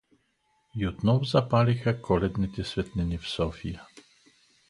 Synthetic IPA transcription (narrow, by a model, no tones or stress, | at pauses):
jut̪nɔvzapalʲixakʰɔlɛd̪nit̪ʲɛsvʲɛt̪nɛnʲifsɔfʲija